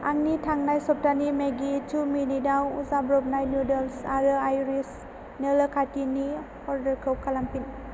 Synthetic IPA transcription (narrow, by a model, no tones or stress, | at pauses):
aŋnitʰaŋnajsɔp̚tanimeɡitʰuminidawuzabɾɔb̚najnjudɔlsaɾɯajɾis | neləkʰatini | ɔɾdəɾkʰəwkʰalampin